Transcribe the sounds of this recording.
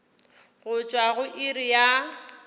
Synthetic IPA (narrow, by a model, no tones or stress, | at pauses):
ɣʊt͡ʃʼwaɣʊʔirija